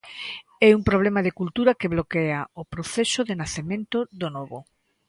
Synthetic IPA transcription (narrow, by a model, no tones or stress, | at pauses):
ɛuŋpɾoβ̞lemaðekult̪uɾakeβlokeaopɾoθesoðenaθemẽnt̪oðonɔβo